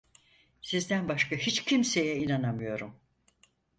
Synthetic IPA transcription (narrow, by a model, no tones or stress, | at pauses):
sizd̪ænbaʃkahit͡ʃcʰimse̞jɛinanamɯjo̞ɾum